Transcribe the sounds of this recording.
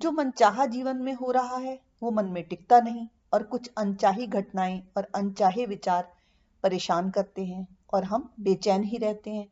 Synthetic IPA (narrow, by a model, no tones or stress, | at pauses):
d͡ʒoːmɐ̃nt͡ʃaːɦad͡ʒiːʋənmẽɦoɾɐɦaɦɛ | ʋomɐ̃nmẽʈɪk̚t̪anɐɦĩ | ɔːɾkʊt͡ʃʰɐ̃nt͡ʃaːɦiɡʱɐʈnaːẽɔːɾɐ̃nt͡ʃaːɦeʋɪt͡ʃaːɾ | pɐɾeːʃaːnkɐɾt̪eɦɛ̃ː | ɔːɾɦɐmbeːt͡ʃɛːnɦiɾɛɦt̪eɦɛ̃ː